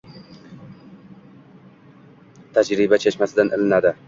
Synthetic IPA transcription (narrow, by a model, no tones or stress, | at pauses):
t̪ʰad͡ʒɾɪbat͡ʃʰet͡ʃmasɪd̪anʔɪlɪnad̪ɪ